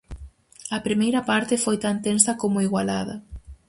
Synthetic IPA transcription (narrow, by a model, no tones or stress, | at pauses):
ɐpɾimejɾɐpaɾt̪ɪfojt̪ant̪ensɐkomʊiɣwalaðɐ̰